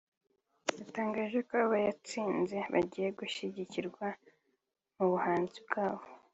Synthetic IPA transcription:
jataːŋɡaːʒe̞koβaβajat͡siːnze̞βa̰ɟiːje̞ɡuʃiɟiciɾɡwa | muβuhaːnzibɡaːβo̥

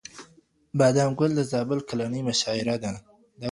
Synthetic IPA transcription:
bɑd̪amɡʊld̪əzɑbʊlkalanəmʊʃɑɪɾad̪a | d̪a

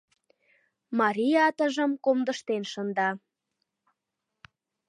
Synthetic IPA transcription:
mɑɾʲijɑt̪əʒə̆mkomd̪ə̆ʃt̪enʃənd̪ɑ

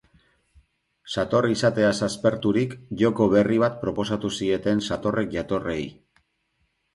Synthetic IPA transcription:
sat̪o̞risat̪e̞asaspe̞ɾt̪uɾikʝo̞ko̞βe̞riβ̞at̪̚pɾo̞po̞sat̪usie̞t̪e̞nsat̪o̞re̞k̚ʝat̪o̞rej

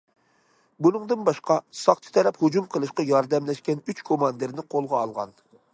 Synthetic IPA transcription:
bunɨŋd̪ɨnbɑʃqɑsɑχt̪ʰɨ̥t̪ʰɛɾɛphud͡ʒumqʰəlˠɨʃqɑjɑɾd̪ɛmlɛʃkʲɛnyt͡ʃkʰomɑnd̪ɨɾnɪqʰolˠʁɑːlˠʁɑ̰n

